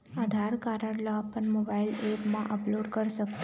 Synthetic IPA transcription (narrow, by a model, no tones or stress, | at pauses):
ad̪ʱaɾkaɾəɽlaəpəɳmobailepmã̰ʔəploɖkəɾʃəkt̪